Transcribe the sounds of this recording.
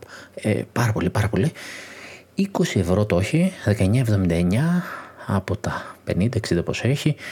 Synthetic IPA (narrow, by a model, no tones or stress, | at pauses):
ḛpɐɾɐpo̞lipɐɾɐpo̞li | iko̞sie̞vɾo̞t̪oçiðekɐeɲɐe̞vðomind̪ɐeɲɐɐpo̞t̪ɐpe̞̰nind̪ɐeksid̪ɐpo̞se̞çi